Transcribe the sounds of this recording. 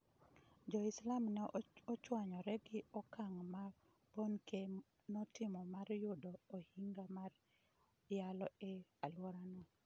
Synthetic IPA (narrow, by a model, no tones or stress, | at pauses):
d͡ʒɔislamnɛɔt͡ʃwaɲɔɾɛɡɪɔkaŋma | bonke | nɔtɪmɔmarjʊdoohiŋɡamar | jalɔealwɔɾanɔ